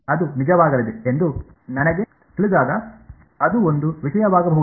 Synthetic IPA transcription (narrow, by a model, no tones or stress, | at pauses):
ɐd̪unid͡ʒɐʋaːɡɐlid̪eend̪u | nɐnɐɡe | t̪iɭid̪aːɡɐ | ɐd̪uond̪uʋiʃɐjɐʋaːɡɐbɐɦu